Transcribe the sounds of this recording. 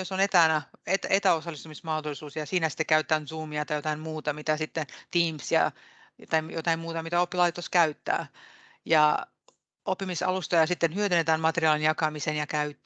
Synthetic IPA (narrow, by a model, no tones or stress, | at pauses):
josonet̪æːnæet̪et̪æosɑlːˑist̪umismɑhd̪olisuːsjɑsiːnæsi̥t̪ːekæyt̪et̪ːæːnsuːmiɑt̪ɑjot̪ɑimmuːt̪ɑmit̪æsit̪ːent̪iːmsjɑ̰ | t̪ɑijot̪ɑimmuːt̪ɑmit̪æopːilɑit̪ːoskæyt̪ːæ̰ː | jɑ | opːimisɑ̰lust̪ojɑsit̪ːenhyøt̪ynet̪æːnmɑt̪eriɑːlinjɑkɑmisenjɑkæyt̪ː